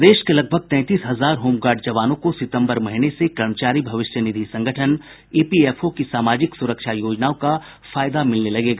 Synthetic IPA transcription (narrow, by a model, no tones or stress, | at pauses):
d̪eːʃkelɐɡ̚bʱəɡ̚t̪ɛ̃ːt̪iːsɦɐzaːɾɦoːmɡaːɾɖ̚d͡ʒɐʋaːnõkosɪt̪ə̃mbəɾmɐɦɪnesekɾɐɾmət͡ʃaːɾibʱɐʋɪʃjənɪd̪ʱisɐ̃ŋɡʱəʈʰən | eːpieːfʰokisaːmaːd͡ʒɪksʊɾəkʃajoːd͡ʒnaːõka | faːjd̪amɪlnelɐɡeːɡaː